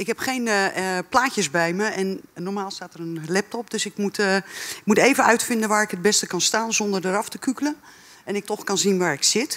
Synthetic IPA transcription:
ɪkɦɛpχejnplaːcəsbɛjməɛnːɔrmaːlˠstaːtərənlɛp̚tɔp̚døsɪkmutɪkmuteːvənœɥtfɪndənʋaːrɪkɦəd̚bɛstəkɑnstaːnzɔndərdəɾɑftəkykələn | ɛnɪk̚tɔxkɑnzinʋaːɹɪksɪt

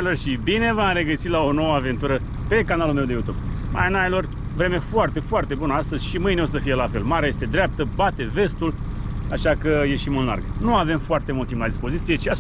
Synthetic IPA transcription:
lo̞rʃibine̞vamre̞ɡəsilao̞no̞wəave̞nt̪uɾə | pe̞kanalulme̞wd̪e̞jut̪ub̚ | ma̰janajalo̞r | vɾe̞mefoart̪e̞foart̪e̞bunəast̪əzʲʃimɨjneos̬əfije̞lafe̞lmaɾejest̪e̞d̪ɾʲap̚t̪əbat̪e̞ve̞st̪ulaʃakəje̞ʃimunla̰rɡnuave̞mfoart̪e̞muld̪t̪implad̪ispo̞zit̪sije̞t͡ʃia

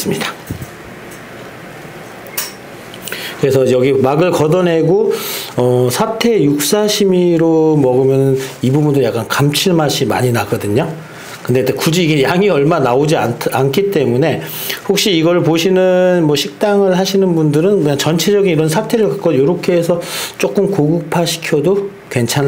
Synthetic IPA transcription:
s͈ɯmɲida | kɯɾe̞sʰʌjʌɡimaɡɯɭkʌdʌnɦe̞ɡoʌsʰatʰe̞juk̚s͈aɕʰimiɾomʌɡɯmjʌnɯnibubundɯɭjak͈ankamt͡ɕʰiɭmaɕʰima̰ɲinaɡʌdɯɲo | kɯndetekud͡ʑiːɡejaŋiʌɭmanaod͡ʑiaankʰit͈e̞mune̞ | hok̚ɕ͈iːɡʌɾɯɭpoɕʰinɯnmwʌɕʰik̚t͈aŋɯɭhaɕʰinɯnbundɯɾɯnkɯɲaŋt͡ɕʌnt͡ɕʰe̞d͡ʑʌɡiniɾʌnsʰatʰe̞ɾɯɭkak͈ʰojoɾʌkʰe̞ːsʰʌt͡ɕ͈ok͈ɯmkoɡɯk̚pʰaɕʰi̥kʰjʌdo | kwe̞nt͡ɕʰan

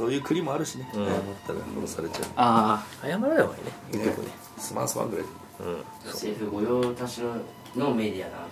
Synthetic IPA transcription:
so̞ːjɯːkɯ̟ɾʲimo̞aɾɯ̟ɕine̞ajamat̪ʰːaɾa̰koɾosaɾe̞t͡ɕa̰ɯ̟aajamaɾad̪emoḭneeko̰ | sɨma̰ːsɨβã̰ŋɡɯɾa̰jd̪ek | ɯ̰̃ | seɸɯ̟ɡo̞joːt̪aɕi | nome̞d̪ʲiad̪a

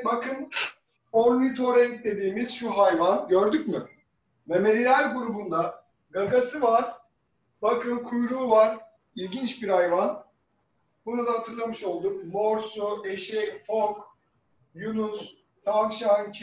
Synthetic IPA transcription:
bakʰɯn | oɾlʲit̪ʰo̞ɾɛd̪e̞d̪iːmiz̥ʃuɦajvanɟøɾd̪ycmi | vɛmeɾilʲæɾɡuɾubund̪a | ɡaɡasɯvaɾ̥ | bakʰɯnkʰujɾuːvaɾ̥ | ilʲɟint͡ʃbiɾhajvan | bunud̪aɦat̪ʰɯɾlˠamɯʃo̞lˠd̪ukmoɾsueʃɛfok | junus | t̪ʰamʃancʰ

